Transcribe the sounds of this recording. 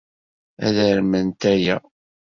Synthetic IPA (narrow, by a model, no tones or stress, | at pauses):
æ̰ðəɾmənt̪æjæ